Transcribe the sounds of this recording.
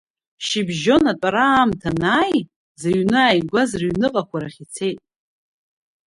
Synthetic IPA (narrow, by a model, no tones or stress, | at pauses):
ʃibʒo̞natʷʼaɾamtʰanaːj | zaɥnɨaːjɡʷazraɥnɨqʼakʷʰaɾaχʲit͡sʰe̞jtʼ